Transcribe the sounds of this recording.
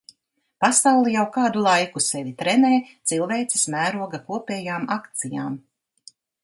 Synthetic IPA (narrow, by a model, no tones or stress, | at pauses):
pasawlˠijawkaːd̪ulˠajkusevit̪ɾɛneːt̪silˠveːt̪si̥smæːɾuɔɡakuɔpɛːjaːmakt̪sija̰ːm